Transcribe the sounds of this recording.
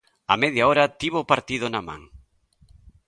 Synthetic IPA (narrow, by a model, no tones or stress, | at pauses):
ɐ̰mɛðjaoɾɐt̪iβopaɾt̪iðʊnamã̰ŋ